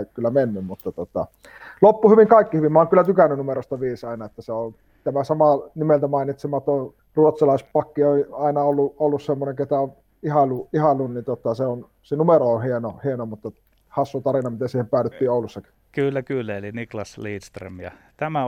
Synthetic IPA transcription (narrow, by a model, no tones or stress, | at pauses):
kylːæmenːymmut̪ːɑt̪ot̪ɑ̰ | lopːuhyʋiŋkɑˑikːihyʋimæoːˑeŋkylːæt̪ykænːˑynnumeɾost̪ɑʋiːsɑˑinɑet̪ːæseon | t̪æmæsɑmɑnimelt̪æmɑˑinit̪semɑːt̪oˑ | ruot̪sɑlɑˑispɑkːioɑˑinɑolːuolːussemːoneŋket̪æon | ihɑlːuihɑlːunnint̪ot̪ɑseon | senumeroohienohienomut̪ːɑ | hɑsːut̪ɑrinɑmit̪esiːhempæˑøtyt̪ːiːoˑulːusːɑki̥ | kylːækylːæeliniklɑsliːt̪st̪rḛmjɑ̰ | t̪æmæ